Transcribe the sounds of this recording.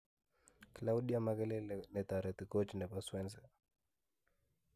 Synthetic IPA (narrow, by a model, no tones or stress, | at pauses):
klawɗjamaɣɛlɛnɛt̪aɾɛt̪ikɔt͡ʃinɛpaswɛnsɛ